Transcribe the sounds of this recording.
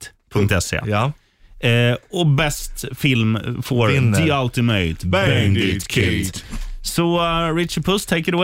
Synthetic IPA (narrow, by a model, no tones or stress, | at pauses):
t̪pʰŋkt̪ɛsḛː | ɔbɛst̪fɪlmfoːd̪ɪalt̪ɪmeɪt̪bænd̪ɪkʰʉ | sɔɾɪt̪t͡ʃəɖ̚pʰʊst̪ʰeɪkəɾəw